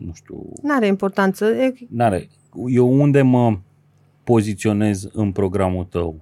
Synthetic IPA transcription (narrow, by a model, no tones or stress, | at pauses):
nuʃt̪ṵnaɾeimpo̞rt̪ant̪səenaɾḛ | jewund̪e̞mə | po̞zit̪sio̞ne̞zɨnpɾo̞ɡɾamut̪əw